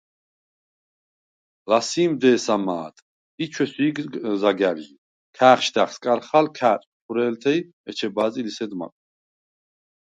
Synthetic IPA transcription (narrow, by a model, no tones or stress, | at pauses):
lasiːmd̪ɛːsama̰ːt̪ʼ | it͡ʃʰwɛsuiɡzaɡaɾi | kʰaːχʃd̪aχskʼaɾχalkʰaːt̪ʼt̪ʰuɾɛːlt̪ʰɛj | ɛt͡ʃʰɛbaːzʼilisɛd̪ma̰kʼ